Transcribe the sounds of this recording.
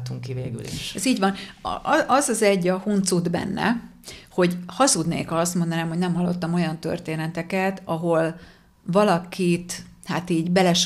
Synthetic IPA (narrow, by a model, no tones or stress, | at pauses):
t̪uŋkːiveːɡy̰lḭʃɛziːɟvɒn̰ | ɒzɒzɛɟːɒhunt̪sud̪bɛ̰nːɛ̰ | ho̞ɟhɒzud̪nḛːkɒɒst̪mo̞nd̪ɒnaːmho̞ɟnɛmɦɒlːo̞̰t̪ːɒmo̞jɒnt̪ø̞̰rt̪eːnɛt̪ɛkɛt̪ɒɦo̞l | vɒlɒkit̪hat̪iːɟbɛlɛʃ